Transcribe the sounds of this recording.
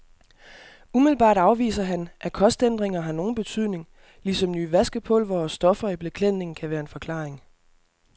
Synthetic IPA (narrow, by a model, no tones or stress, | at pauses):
umiðl̩b̥ɑ̰̈ːd̥ɑ̈ʊʋḭːsɐɦænʔækʰɒ̽sd̥end̥ʁeŋɐɦɑ̈no̝ːn̩b̥e̝t͡sʰyð̰ˠne̝ŋ | lisɒ̽mnyːʋæsɡ̥əpʰɔ̽lʋɒsːd̥ɒ̽fɐib̥lekʰlen̰e̝ŋ̩kʰæʋæːɐe̝nfɒ̽kʰlɑ̈ːeŋ